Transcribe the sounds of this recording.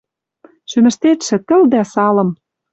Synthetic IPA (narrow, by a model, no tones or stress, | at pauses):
ʃymɘ̆ʃt̪et̪ʃɘ̆t̪ɘ̆ld̪æsɑlɤ̆m